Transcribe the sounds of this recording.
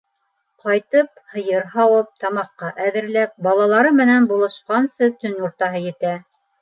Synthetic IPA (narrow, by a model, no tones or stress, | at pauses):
qɑjt̪ɤp̚hɤ̆jɤɾhɑwɤp̚t̪ɑmɑqːɑʔæðɘ̆ɾlæp̚bɑlˠɑlˠɑɾɤmɘ̆nænbulˠɤ̆ʃqɑnsɤt̪ɵnuɾt̪ɑɦɤjɘ̆t̪æ